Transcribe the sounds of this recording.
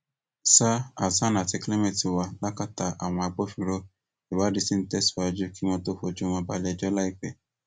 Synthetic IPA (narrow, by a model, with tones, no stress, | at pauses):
sa˦a˨sa˦nã˨ti˧kle˦mẽ˦˨ti˨wa˧la˦ka˦ta˧ʔa˨w̃ɔ̃˧a˧ɡ͡bo˦fĩ˧˨ɾo˦ | i˨wa˨˦di˧sĩ˦n̩˦tɛ˦su̥˦˨a˧d͡ʒu˦ki˦w̃ɔ̃˧to˦fo˧d͡ʒu˦m̃ɔ̃˧ba˦˧lɛ˧˨d͡ʒɔ˦la˦i˦˨k͡pɛ˨